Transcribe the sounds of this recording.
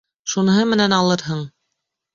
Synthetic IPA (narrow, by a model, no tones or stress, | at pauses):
ʃun̆ɦɤmɘ̆nænɑlˠɤɾɦɤɴ